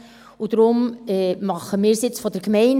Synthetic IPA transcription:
ud̥ɾʊmɛmɑχəmɪːɾsɪt͡sfɔdəɾkmɛɪn

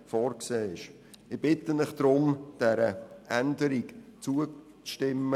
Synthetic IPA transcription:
fɔːɾkseːɪʃ | ɪb̥ɪt̪ːənɪχd̥̪ɾʊmd̥ɛɾəʔændəɾikt͡suə | t͡sʃtɪmːə

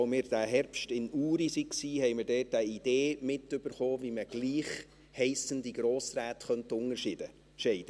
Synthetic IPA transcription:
omɪːɾd̥æɦɛɾpʃtɪnuːɾisiksiːɦɛjmɪɾdɛːt̚dæid̪̥eːmɪt̪ːʏb̥əɾχoːviməɡ̥liːχ | hɛɪsənd̪iɡ̥ɾoːsɾæːt̪χœnt̪ʊŋəɾʃɪd̪ə | ʃɛɪd̪̥ə

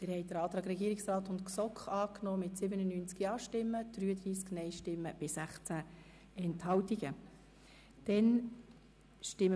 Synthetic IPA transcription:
tɪɾhɛɪd̥̪əɾɑːt̪ɾɑːɡɾɛɡiːɾɪksɾɑːt̪ʊntksɔkχɑːknɔːmɪtsɪbənənyːnt͡skjɑːʃtɪmːəd̪̥ɾyːəd̪ɾiːsknɛɪʃtɪmːəb̥ɪsæχt͡sæ | ɛnthɑwt̪iɡə | d̥ɛn | ʃtɪm

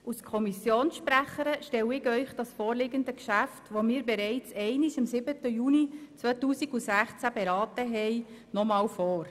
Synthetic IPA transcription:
ʔuskʰɔmisjoːnsʃpræχəɾəʃtɛwɪɡœʏχd̥ɑsfoːɾlɪɡəndəkʃæftʋomiːɾbɛɾɛɪt͡sɛɪniʃɪmsɪbətəjuːnit͡sʋœtuːsiɡusæχt͡sæbɛɾɑːtəɦɛɪ | nɔmɑːlfoːɾ

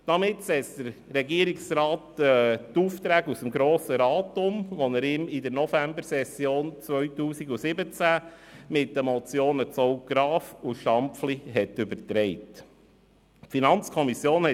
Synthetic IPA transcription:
d̥ɑmɪtsɛsd̪̥əɾɾɛɡiəɾɪksɾɑːtɛtuːft̪ɾæːɡusəmɡɾoːsəɾɑːtʊmʋɔnəɾɪmɪd̪əɾnɔfæmbəɾsɛsjoːnt͡sʋœɥtuːsiɡusɪbət͡sæ | mɪtːəmɔt͡sjoːnət͡sɔʊɡ̥ɾɑːfuʃɑmpfliɦɛtʏbəɾtɾɛɪt | finɑnt͡skʰɔmisjoːnhɛ

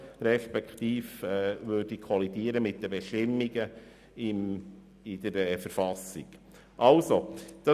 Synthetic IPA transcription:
ɾɛʃpɛkχt̪iːfɛʋøːdikʰɔlidiəɾəmɪt̚d̥əbɛʃtɪmːiɡə | ɪm | id̪̥əɾɛfəɾfɑsḭɡ̥ | ʔɑlsod̥ɑ

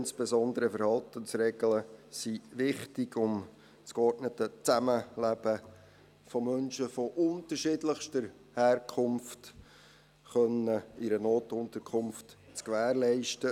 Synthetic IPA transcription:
ɪnsb̥ezɔnd̪əɾəfəɾhɑltənsrɛɡləsiʋɪχtɪɡʊm | t͡skɔɾtnətət͡sæməlæb̥ə | fɔmœnʃəfɔʔʊntəʃɪdləχʃtəɾ | hæːrkʰχʊmft | χœnəɪɾənoːtʊntəɾkʰʊmft | t͡skʋæːɾlɛɪʃtə

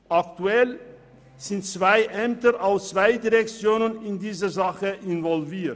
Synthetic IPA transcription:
ʔaktuɛl | z̥ɪntt͡sv̥aɪʔɛmtəʔaʊst͡sv̥aɪdiʁɛk̚t͡sjoːnənɪndiːzəzaχəʔɪnvɔlviːɐt

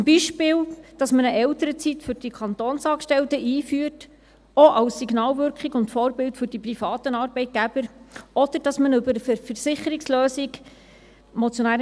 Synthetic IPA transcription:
t͡smbiʃpɪːld̥ɑsmənəʔɛwtəɾət͡sitfʏɾd̥ikʰɑnt̪ɔːnsɑːkʃtɛltəʔiːfyːəɾt | ɔʔɑwsːiɡnɑːlvʏɾkχiɡʊntfɔːɾbɪltfʏɾd̥iprifɑːt̪ənɑːɾbɛɪt̚ɡ̥æb̥əɾɔd̥̪əɾd̥ɑsmənɵbəɾəfəfəɾsɪχəɾiksløːsiɡ | mɔt͡sjɔnæːɾ

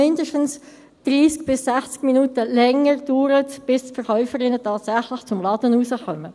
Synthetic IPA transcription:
ɪndəʃtən̩s | d̥ʁiːsk̚b̥ɪsːɛχt͡skminuːtəlɛŋəʁd̥yːɾətb̥ɪstfɛʁχœʏfəɾɪnətʰɑːtsæχlɪχt͡sʊmlɑːd̥ənuːsəχœmə

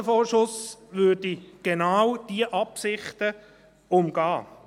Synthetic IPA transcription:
əfɔːʃʊsʋʏdiɡ̥enawd̥iəʔɑpsɪχtə | ʊmɡ̥ɑː

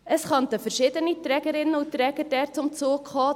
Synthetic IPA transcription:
əsχœnt̪əfəɾʃɪdənit̪ɾɛːɡəɾɪnːəʊtːɾɛːɡədɛːɾt͡sʊmt͡suːkhɑː

